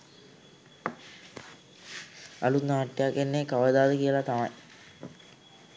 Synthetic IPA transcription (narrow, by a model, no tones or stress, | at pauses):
ɐlunaːʈːjakːenːekɐʋɐd̪aːd̪əkijəlɐt̪amɐj